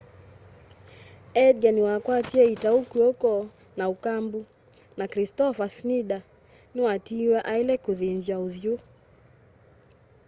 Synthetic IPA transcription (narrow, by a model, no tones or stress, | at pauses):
ɛdɡaniwakwatiɛitaukuɔkɔ | naukambu | nakɾistɔfasniɗa | niwatiwaʔailɛkuðind͡ʒauðju